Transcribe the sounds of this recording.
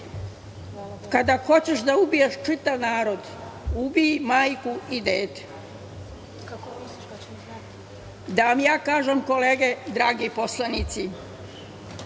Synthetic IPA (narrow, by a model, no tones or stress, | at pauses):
kad̪axo̞t͡ɕeʃd̪aubijeʃt͡ʃit̪aʋnaːɾo̞d̪ubijimaːjkuid̪eːt̪e̥ | d̪aʋamjaːkaːʒemko̞leːɡed̪ɾaːɡiposlˠanit̪si